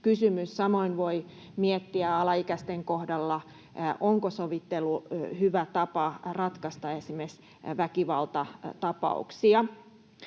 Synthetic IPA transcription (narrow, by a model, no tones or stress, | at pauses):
kysymyssɑmoinʋoi | miet̪ːiæɑlɑikæst̪eŋkohdɑlːɑ | ʔoŋkosoʋit̪ːelːuhyʋæt̪ɑpɑrɑt̪kɑst̪ɑesimes | ʋækiʋɑlt̪ɑt̪ɑpɑ̰ṵksiɑ